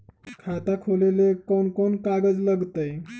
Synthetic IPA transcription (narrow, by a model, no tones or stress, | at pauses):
kʰat̪akʰolelekɔnkɔnkaɡəd͡zləɡt̪əj